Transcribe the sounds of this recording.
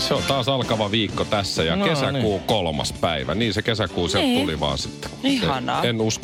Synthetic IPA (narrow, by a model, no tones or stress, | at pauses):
seolt̪ɑːsɑlkɑʋɑʋiːkːot̪æsːæjɑkesækuːkolmɑ̰spæiʋæ̰niːnsekesækuːset̪ːoliʋɑ̰ːnsi̥t̪ːe̥iheɑnɑ̰ːenusk